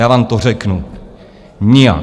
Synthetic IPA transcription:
aːvaːmt̪orɛknu | ɲɪja̰

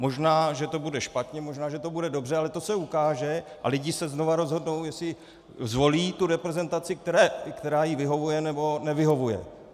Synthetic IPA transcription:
mo̞ʒnaːʒɛt̪o̞budɛʃpat̪ɲɛmo̞ʒnaːʒɛt̪o̞budɛdo̞br̝ɛalɛt̪osɛukaːʒɛʔa̰lɪɟɪsɛznovaɾo̞zɦo̞dno̞wjɛsɪ | zvo̞liːt̪uɾɛpɾɛzɛnt̪at͡sɪk̚t̪ɛɾɛkt̪ɛɾaːjivɪɦo̞vujɛnɛbo̞nɛvɪɦo̞vujɛ̰

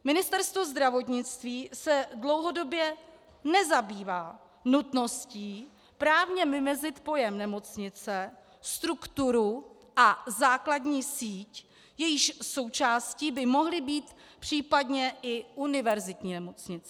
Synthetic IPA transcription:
mɪnɪst̪ɛɾst̪vo̞zd̪ɾavo̞t̪ɲɪt͡st̪viːsɛdlo̞wɦo̞do̞bjɛ | nɛzabiːvaː | nut̪no̞sciː | pɾaːvɲɛmɪmɛzɪt̪po̞jɛmnɛmo̞t͡sɲɪt͡sɛ | st̪ɾukt̪uɾu | ʔazaːkladɲiːsiːc | jɛjɪʃso̞wt͡ʃaːsciːbɪmo̞ɦlɪbiːt̪pr̝̥iːpadɲɛʔɪʔunɪvɛɾzɪt̪ɲiːnɛmo̞t͡sɲɪt͡sɛ̥

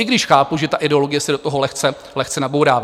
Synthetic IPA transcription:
ɪɡdɪʃxaːpuʒɛt̪aʔɪdɛo̞lo̞ɡɪjɛsɛdot̪oɦolɛxt͡sɛ | lɛxt͡sɛnabowɾaːva

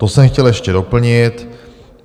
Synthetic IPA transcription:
t̪osɛmxcɛljɛʃcɛdo̞pl̩ɲɪt̪

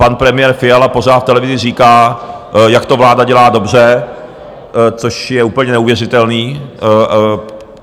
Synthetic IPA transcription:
panpɾɛmɪjɛɾfɪjalapo̞z̝aːt̪ft̪ɛlɛvɪzɪriːkaː | jakt̪o̞vlaːdaɟɛlaːdo̞br̝ɛ | t͡so̞ʃjɛuːpl̩ɲɛnɛuvjɛr̝ɪt̪ɛlniː

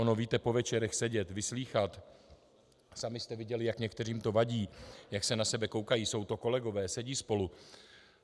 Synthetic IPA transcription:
onoviːt̪ɛpo̞vɛt͡ʃɛɾɛxsɛɟɛt̪vɪsliːxat̪ | samɪst̪ɛvɪɟɛlɪjakɲɛkt̪ɛr̝iːmt̪o̞vaɟiːjaksɛnasɛbɛko̞wkajiːso̞wt̪o̞ko̞lɛɡo̞vɛːsɛɟiːspo̞lu

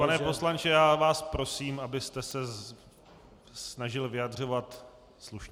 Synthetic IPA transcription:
panɛpo̞slant͡ʃɪjaːvaːspɾo̞siːmʔabɪst̪ɛsɛ | snaʒɪlvɪjadr̝o̞vat̪ | sluʃɲ

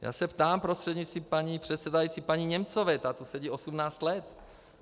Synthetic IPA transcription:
ja̰ːsɛpt̪aːmpɾost̪r̥ɛd̪ɲit͡st̪impaɲipr̝̥ɛt̪sɛdajit͡sipaɲiɲɛmt͡sovɛt̪at̪usɛɟiːʔo̞sumnaːt͡st̪lɛt̪

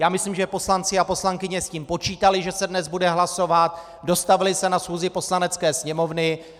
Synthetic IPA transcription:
jaːmɪsliːmʒɛpo̞slant͡sɪapo̞slaŋkɪɲɛsciːmpo̞t͡ʃiːt̪alɪʒɛsɛdnɛzbudɛɦlaso̞vat̪ | do̞st̪avɪlɪsɛnasxuːzɪpo̞slanɛt͡skɛːsɲɛmo̞vnɪ

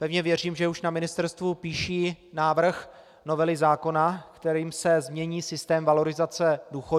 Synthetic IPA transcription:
pɛvɲɛvjɛriːmʒɛuʃnamɪnɪst̪ɛɾst̪vupiːʃiːnaːvr̩x | no̞vɛlɪzaːko̞nakt̪ɛɾiːmsɛzmɲɛɲiːsɪst̪ɛːmvalo̞ɾɪzat͡sɛduːxo

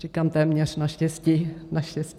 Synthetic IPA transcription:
r̥ɪkaːmt̪ɛːmɲɛr̝naʃcɛsciːnaʃcɛscː

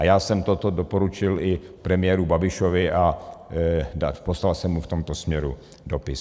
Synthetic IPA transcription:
ajaːsɛmt̪ot̪odo̞po̞ɾut͡ʃɪlɪpɾɛmɪjɛɾubabɪʃovɪʔa | daposlalsɛmːuft̪o̞mt̪o̞smɲɛɾu | do̞pɪs

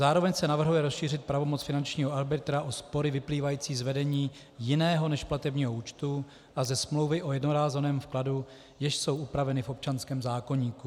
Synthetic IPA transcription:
zaːɾo̞vɛɲsɛnavr̩ɦujɛɾosʃiːr̝ɪt̪̚pɾavo̞mo̞t͡sfɪnant͡ʃɲiːɦo̞aɾbɪt̪ɾaʔospo̞ɾɪvɪpliːvajiːt͡siːzvɛdɛɲiː | jɪnɛːɦo̞nɛʃplat̪ɛbɲiːɦo̞uːt͡ʃt̪u | ʔazɛsmlo̞wvɪʔo̞jɛdnoɾaːzɛnɛːmfkladu | jɛʃso̞wʔupɾavɛnɪfo̞p̚t͡ʃanskɛːmzaːko̞ɲiːku

